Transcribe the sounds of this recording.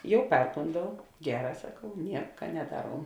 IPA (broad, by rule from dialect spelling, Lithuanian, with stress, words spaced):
ˈjɛʊ ˈpʲɛrkoːndɐʊ ˈɡʲæːˌrɑː sɐˈkɐʊ ˈnʲiɛkɐ nʲɛˈdɑːˌruɔm